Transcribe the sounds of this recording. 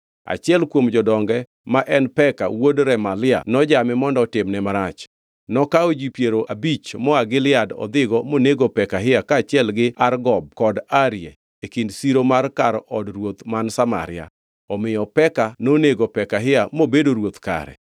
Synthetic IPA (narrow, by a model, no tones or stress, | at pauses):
a̰t͡ʃɪɛlkwomd͡ʒɔdɔŋɡɛ | maʔɛnpɛka̰wodɾɛmalɪa̰nɔd͡ʒamɪmɔndɔtɪmnɛmaɾat͡ʃ | nɔkaod͡ʒipjeɾoʔabit͡ʃmɔaɡɪlɪadɔ̰d̪ɪɡɔmoneɡopɛkaɦɪakaːt͡ʃɪɛlɡɪarɡɔb̚kɔdaɾjɛ | ekindsiɾomarkaɾɔdrwot̪mansama̰ɾɪ̰a̰ | ɔmɪjɔpɛkanoneɡopɛkaɦɪamobedoɾwot̪ka̰ɾɛ̰